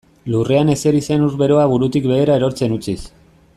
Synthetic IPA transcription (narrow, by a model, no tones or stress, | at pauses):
lure̞ane̞se̞ɾise̞nuɾβe̞ɾo̞aβuɾut̪ikβe̞ːɾaeɾo̞ɾt͡se̞nut͡sis